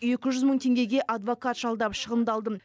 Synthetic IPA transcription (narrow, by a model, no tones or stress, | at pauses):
je̞kʲɪʒʏzməɴt̪ʰe̞ŋɡʲe̞ɡʲe̞ʔɑd̪vo̞kɑt̪ʒ̥ɑlˠd̪ɑpʃəʁənd̪ɑlˠd̪əm